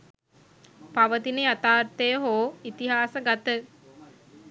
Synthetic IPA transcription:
paʋət̪inəjat̪aːrt̪əjəɦoːit̪iɦaːsəɡat̪ə

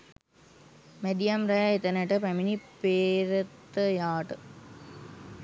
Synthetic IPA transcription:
meɖijɐmɾɐjaet̪ənəʈəpæminipeːɾət̪ːəjaːʈə

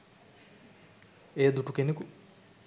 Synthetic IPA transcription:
eːd̪uʈukeneku

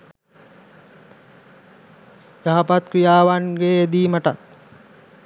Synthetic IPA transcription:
jaɦapat̪̚kɾijaːʋanɡeed̪iːməʈat̪̚

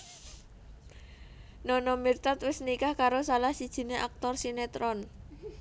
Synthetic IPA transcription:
nɔnɔmirt̪at̪wɪsnikahkaɾosalahsid̥ʒ̥i̤neʔak̚t̪ɔrsinet̪ɾɔn

